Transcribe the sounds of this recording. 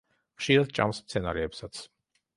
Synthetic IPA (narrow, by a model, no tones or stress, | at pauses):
χʃiɾad̪̚t͡ʃʼa̰msst̪sʰɛna̰ɾɛɛpsat̪sʰ